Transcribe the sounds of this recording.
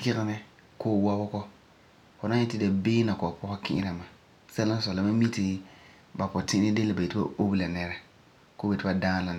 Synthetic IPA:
kɪ˦ɣɪ˦nɛ˦ | koː˦wa˦bʊ˦kɔ˦ | fʊ˨nã˦ɲɛ˦tɪ˦da˨beː˦na˨kɔ˨a˨pɔ˦ha˦kɪ̰̃˦ʔɪ̰˦na˨ma˨ | sa˦la˦sɔ˨la˨ba˦mi˦tɪ˦ | ba˨pʊ˨tɪ˦ʔɪ˦nɪ˦de˦lɪ˨ba˨je˨tɪ˦ba̰˦o˦bla˨nɛ˦ɾɛ˦ | koː˦be˨tɪ˦ba˦daː˦la˨

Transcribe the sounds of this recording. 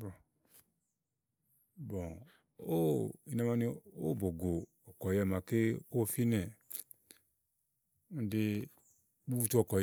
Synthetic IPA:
bɔ˨ | bɔ̃˨ | o˦i˨na˧ma˧ni˧o˦˨bo˨ɡo˨ | ɔ˨kɔ˨jɛ˧˨mã˨ke˦o˦˨fi˦nɛ˨ | n̩˦de˧ | u˦u˦t͡ʃu˦ɔ˨kɔ˨

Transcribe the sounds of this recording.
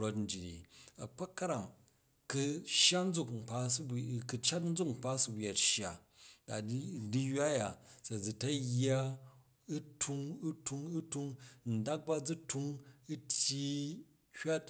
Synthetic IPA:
ɾo˦tn̩˨d͡ʒi˨dḭ˨ɐ˨k͡pa˦kɐ˦ɾa˨ŋ | kɨ˧ʃja˦n̩˦d͡zu˦˨km̩˨pa˦sbkɨ˨t͡ʃa˦t̬n̩˦d͡zu˦kŋ͡m̩˨pa˦su˦bja˨tʃja˨ | da˨˦di˦ja˦ja˨sɐ˨d͡zi˨tɐ˦ja˦ | u˦tʰu˦ŋu˦tʰu˧ŋu˦tu˧ŋn̩˨da˦k̚ba˦d͡zi˦tʰu˦ŋɨ˦tʲji˦ | hʲa˦t

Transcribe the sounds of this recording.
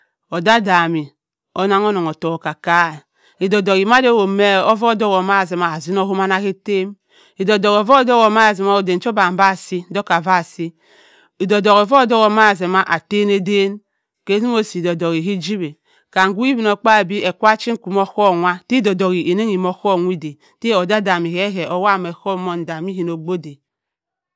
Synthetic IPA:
o˨da˦da˨mi˨ | o˦na˦ŋ˦o˦no˨ŋo˨to˨ka˨ka˦˨ | i˨do˨do˨ɣi˨ma˦do˦wo˨me˦o˦vo˦˨do˦ɣo˨ma˦˨ze˨ma˨a˨zi˦no˦ɦo˦ma˦na˦ke˦te˦m | i˨do˨do˨ɣo˨vo˦˨˦do˦ɣo˨ma˦a˨zi˨ma˦o˨de˨n˦t͡ʃo˦ba˨m̩˦ba˦˨si˦n̩˦do˦ka˨va˦˨si˦ | i˨do˨do˨ɣo˨vo˦˨do˦ɣo˨˦ma˦a˨ze˨ma˦ʔa˨te˦ne˦de˦n | ke˦zi˦m˦o˦si˨do˨do˨ɣi˨ɦi˦d͡ʒi˦be˨ | ka˨ŋ̩˨ɡu˦i˦bi˨no˨k͡pa˦e˨bi˦e˨kʷa˦t͡ʃi˦ŋ̩˦ku˨m˦o˦ko˦˨ŋʷa˦ti˦do˨do˨ɣi˨ʔe˨ne˦ŋi˨mo˦ko˦˨ŋʷi˦de˨ | te˦o˨da˦da˨mi˨he˦ɦe˨ʔo˦wa˦˨me˨ko˦mo˦n̩˨da˨mi˦ɦi˨no˨ɡ͡bo˦de˨

